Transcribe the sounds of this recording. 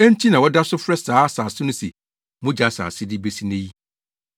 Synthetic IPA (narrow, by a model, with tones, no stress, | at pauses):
ɛ̃˦n̩˦t͡ɕʰi˦nã˨wɔ˦da˦sʊ˦fɾɛ˦saː˦saː˨sɪ˦nʊ̃˦sɛ̰˨ | mʊ̃˦d͡ʑa˦sa̰ː˨sɪ˦dɪ˦be˦si˦nẽ˦ji˦